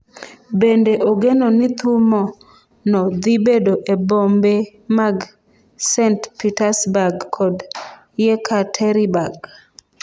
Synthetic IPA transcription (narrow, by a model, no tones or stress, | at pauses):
bendeʔoɡenonɪt̪umɔ | nɔd̪ibedoʔebombe | maɡ | sɛntpitasbaɡkʰɔd | jekʰatʰɛɾibaɡ